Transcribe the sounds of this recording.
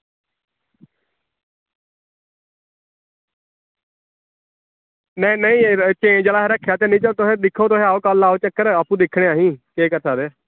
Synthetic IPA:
nə̃nəĩːt͡ʃẽːd͡ʒəlaːɾəkʰːjaːt̪eːnĩːt͡ʃəlt̪oɦẽːd̪ɪkʰːoːt̪oɦẽːaːoːkəlaːoːt͡ʃəkːəɾəpːũːd̪ɪkʰːɽeːaːɦĩːkeːkət̪ʰaːd̪eː

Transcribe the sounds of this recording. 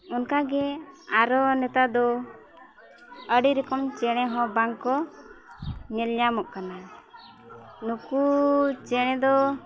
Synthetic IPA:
unkaɡɛaɾɔnɛt̪ad̪ɔ | əɖiɾɛkɔmt͡ʃɛɽ̃ɛ̃ɦɔ̃baŋkɔ | ɲɛlɲamɔʔ̚kana | nukut͡ʃɛɽ̃ɛ̃d̪ɔ

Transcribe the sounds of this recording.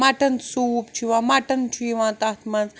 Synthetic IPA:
aːʈɐnsuːpt͡ʃʰiʋãːmaːʈɐnt͡ʃʰiʋãːt̪aːt̪ʰmɐnd͡z

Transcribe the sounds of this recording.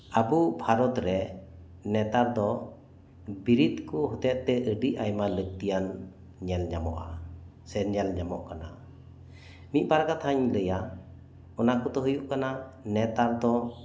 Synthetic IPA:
abubʱaɾɔt̪ɾɛ | nɛt̪aɾd̪ɔ | biɾit̪kuɦɔt̪ɛʔt̪ɛʔəɖiʔajmalək̚t̪ijan | ɲɛlɲamɔ̰ʔa | sɛɲɛlɲamɔʔkana | mit̪̚ˀbaɾɡat̪haɲləja | ɔnakɔt̪ɔɦujuʔkananɛt̪aɾd̪ɔ

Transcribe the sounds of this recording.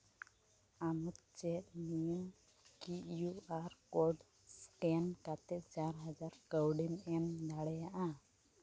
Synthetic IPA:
amut̪̚t͡ʃɛt̪̚niju | kijuaɾkɔɖ | skɛnkat̪ɛt͡ʃaɾɦad͡ʒaɾkəwɖimɛmd̪aɽɛjaʔa

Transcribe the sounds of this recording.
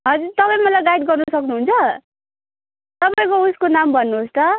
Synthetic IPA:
ɦʌd͡zuɾt̪ʌpaĩmʌlajɡajʈɡʌrnʌsʌknuɦunt͡sʰʌ | t̪ʌpaĩkouskonambʱʌnːuɦost̪ʌ

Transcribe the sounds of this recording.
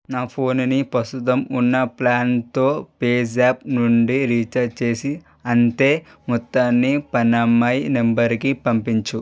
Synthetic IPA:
naːpʰo̞ːnnipɾɐst̪ut̪ɐmunːɐplaːnt̪o̞ːpeːd͡ʒaːpnuɳɖiɾiːt͡ʃɐt͡ʃe̞ːsi | ɐnt̪e̞ː | mɔt̪ːaːnːipɐnːɐmːɐjnembɐɾkipɐmpiɲt͡ʃu

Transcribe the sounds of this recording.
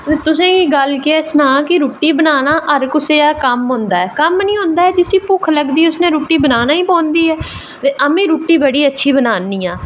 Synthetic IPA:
eːt̪ʊsẽːkiːɡəlkeeːsnãːkɪɾuːʈːiːbənaːnaːʔəɾkʊseːaːkəmɦõːnd̪aːɛːkəmnĩːɦõːnd̪aːɛːd͡ʒɪsiːpʊkʰləɡd̪iːʊsnẽːɾuːʈːiːbənaːnaːiːpõːnd̪iːɛː | t̪eːʔəmẽːɾuːʈːiːbəɽiːətːʃʰiːbənaːnːiːãː

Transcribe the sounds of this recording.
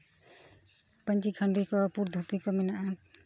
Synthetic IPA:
paɲt͡ʃikʰaɳɖikɔpuɾd̪ʱut̪ikɔmɛnaʔa

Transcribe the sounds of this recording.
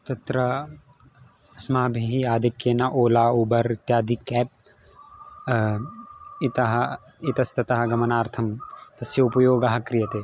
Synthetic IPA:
t̪ɐt̪ɾɐ | ɐsmaːbʱiɦiaːd̪ʱikjenɐʔoːlaːuːbɐɾit̪jaːd̪ʱikɛːp̚ | it̪ɐɦɐ | it̪ɐst̪ɐt̪ɐɦɐ̆ɡɐmɐnaːɾt̪ʰɐmt̪ɐsjɐupɐjoːɡɐɦɐ̆kɾijɐt̪eː

